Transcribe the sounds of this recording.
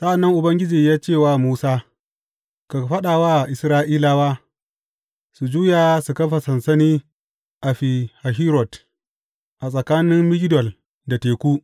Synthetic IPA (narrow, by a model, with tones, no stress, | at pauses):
sa˦ʔa˨nːɐ˦ŋʔʊ˨bɐ˦ŋɡʲɪ˦d͡ʒiː˨jaː˦t͡ʃeː˦˨waː˦muː˦saː˦ | ka˨ɸɐ˦ɗaː˨waː˦˨ʔɪ˨sɾaː˦ʔiː˦la˦waː˦ | su˨d͡ʒuː˦jaː˨su˨kɐ˦ɸa˨sɐ˨nsɐ˦niː˦ | ʔa˨ɸi˨ha˨ɦiː˦ɾɔ˨t | ʔa˨sʼɐ˨kaː˦nɪ˦mmɪ˦ɡʲɪ˦dɔ˨l | da˨teː˨kʷuː˦